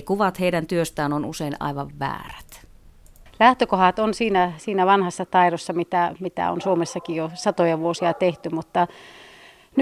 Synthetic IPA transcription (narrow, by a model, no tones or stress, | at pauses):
kuʋɑt̪heidænt̪yøst̪æːnonṵseinʔɑ̰iʋɑʋʋæ̰ːræt̪ | læht̪økohɑt̪onsiːnæsiːnæʋɑnhɑsːɑt̪ɑiɾosːɑmit̪æmit̪æ̰o̰nsuomesːɑkijosɑt̪ojɑʋuosiɑt̪eht̪ymut̪ːɑ | n